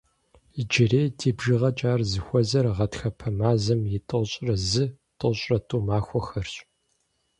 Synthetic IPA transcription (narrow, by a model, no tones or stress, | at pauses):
d͡ʒɪreːtʰiːbʒɪʁɐt͡ʃʼaːrzɨxʷɔzɐrʁɐtxɐpʰɐmaːzɐmjɪtʼoɕʼrɐzɨ | tʼoɕʼrɐtʼuːmaːxʷɔxɐrɕʼ